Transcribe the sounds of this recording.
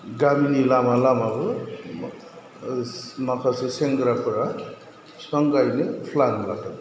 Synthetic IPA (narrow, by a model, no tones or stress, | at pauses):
ɡaminilamalamabɯ | makʰaseseŋɡɾapɾa | sʌŋɡajnepʰlanlakʰat̪